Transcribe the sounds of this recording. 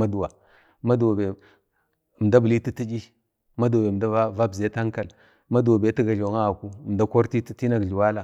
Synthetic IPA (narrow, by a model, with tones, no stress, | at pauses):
ma˦du˨wa˨ | ma˦dwa˨be˨ | m˨da˦bə˨li˦ti˦ti˦d͡ʒi˦ | ma˦du˨wa˨be˨da˦va˦va˦bze˦ta˦ŋka˨l | ma˦du˨wa˨be˨˦i˦ɡa˨ɮo˨ŋa˦a˨ku˦˨m˨da˦ko˦ɾti˦ti˦ti˦na˨ɡɮi˨wa˦la˨